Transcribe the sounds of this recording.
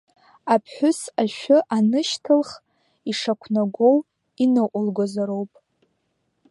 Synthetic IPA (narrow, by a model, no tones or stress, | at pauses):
apʰħʷᶣʊsaʃᶣʊʔanɨʃtʰɨlχ | iʂakʷʰnaɡʷo̞w | inɨʔʷʼʊlɡʷozaɾo̞wpʼ